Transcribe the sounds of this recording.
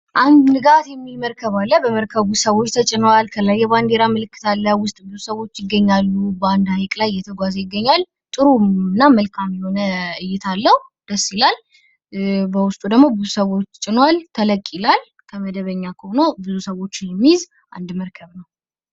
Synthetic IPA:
ʔand̪nɨɡat̪jɛmːilməɾkʰəβalːəbəməɾkʰəβusəwo̞t͡ʃːt̪ʰət͡ʃʼɪnwalkʰəlajːɛband̪e̞ɾamɨlɨkːɨ̥t̪ʰalːəwʊst̪ʼbɨzusəwo̞t͡ʃːjɪɡːəɲːalːubəand̪hajkʼlajjɛt̪ʰəɡʷazəjɪɡːəɲːal | t̪ʼɨɾumɨnːaməlkʰamjɛho̞nəɨjːɪt̪ʰalːəhu | d̪̥əsːilal | bəwʊst̪ʼud̪əɡmo̞bɨzusəwo̞t͡ʃːt͡ʃʼɪnwalt̪ʰələkʼːilal | kʰəməd̪əβəɲːakʰəhonobɨzusəwo̞t͡ʃːɪnjɛmːiz | ʔa̰nd̪məɾkʰəβnəw

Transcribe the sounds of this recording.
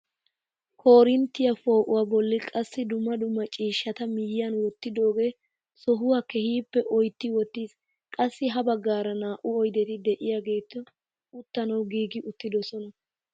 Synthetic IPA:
kʰo̞ːɾɪnt̪ːɪjɐfo̞ːʔʊwaːbɔlːɪkʼɐsːɪd̪ʊmːɐd̪ʊmːɐt͡ʃʼiːʃːɐt̪ɐmɪjɪjɐnwɔt̪ːɪd̪o̞ːɡe̞ː | sɔɦʊwakɛhiːpːɛʔɔjt̪ːɪwɔt̪ːiːs | kʼɐsːɪɦɐbɐɡːaːɾɐnaːʔʊɔjd̪ɛt̪ɪd̪ɛʔɪjaɡe̞ːt̪ːɔ | ʊt̪ːɐnɐwɡiːɡɪʔʊt̪ːɪd̪ɔsɔnɐ

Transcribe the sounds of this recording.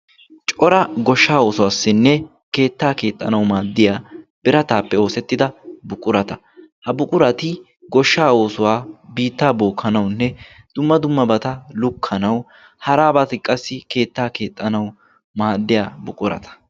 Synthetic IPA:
t͡ʃʼɔɾɐɡɔʃːaːo̞ːsʊwaːsːɪnːɛ | ke̞ːt̪ːaːke̞ːt̪ʼːɐnɐwmaːd̪ːɪjaːb̥ɪɾɐt̪aːpːɛo̞ːsɛt̪ːɪd̪ɐbʊkʼʊɾɐt̪ɐ | hɐbʊkʼʊɾɐt̪ɪ | ɡɔʃːaːo̞ːsʊwaːbiːt̪ːaːboːkʰːɐnɐwnːɛ | d̪̥ʊmːɐd̪ʊmːɐbɐt̪ɐlʊkʰːɐnɐw | hɐɾaːbɐt̪ɪkʼɐsːɪke̞ːt̪ːaːke̞ːt̪ʼːɐnɐw | maːd̪ːɪjaːbʊkʼʊɾɐ̰t̪ɐ̥

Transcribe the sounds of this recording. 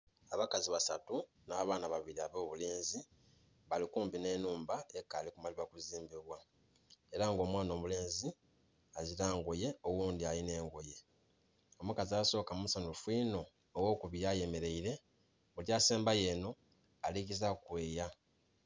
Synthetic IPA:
aβakaziβasatu | naːβaːnaβaβiɾiaβo̞ːβule̞ːnzi | βalikuːmbine̞nuːmbaekaːlikumaliβakuziːmbiβwa | eɾaŋɡo̞ːmwaːno̞ːβule̞ːnzi | aziɾaːŋɡo̞je̞owuːnd̪ialine̞ːŋɡo̞je̞ | o̞mukaziaso̞ːkamumusanufwiːno̞ː | wo̞ːkuβijaje̞me̞ɾe̞iɾe̞ | βuljaːseːmbaje̞no̞ | aliɡizakwe̞ːja

